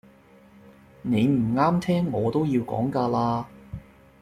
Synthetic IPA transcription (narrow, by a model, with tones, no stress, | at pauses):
ne˨˧jm̩˨˩ŋaː˥mt̪ʰɛː˥ŋːɔː˨˧t̪o˥wjiː˧wkɔ̰ː˨˥ŋkaː˧laː˧˥